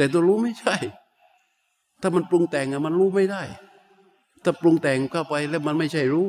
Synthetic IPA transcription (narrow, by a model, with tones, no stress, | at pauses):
t̪ɛː˨˩t̪u˧˩ɾuː˦˥ma˥˩jt͡ɕʰa˥˩j | t̪ʰaː˥˩ma˧nplu˧ŋt̪ɛː˨˩ŋʔa˨˩ma˧nɾuː˦˥ma˥˩jda˥˩j | t̪ʰaː˥˩plu˧ŋt̪ɛː˨˩ŋkʰaː˥˩pa˧jlɛː˦˥˩ma˧nma˥˩jt͡ɕʰa˥˩jɾuː˦˥